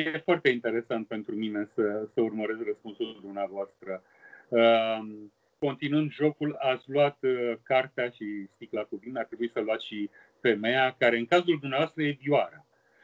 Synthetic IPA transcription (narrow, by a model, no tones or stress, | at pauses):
jefoart̪eint̪e̞ɾe̞sant̪̚pe̞nt̪ɾumine̞səsəurməɾe̞skrəspunsuld̪umneavoast̪ɾə | ə | ko̞nt̪inɨnd̪ʒo̞kulat̪sʲlwat̪kart̪eaʃist̪iklakuvinart̪ɾe̞buisəluat̪sʃi | fe̞me̞jakaɾe̞ɨŋkazuld̪umneavast̪ɾəje̞vioaɾa